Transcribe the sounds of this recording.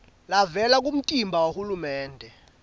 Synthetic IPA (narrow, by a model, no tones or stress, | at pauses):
lavɛlak̬um̩tʼimbʱawohulumɛːndʱɛ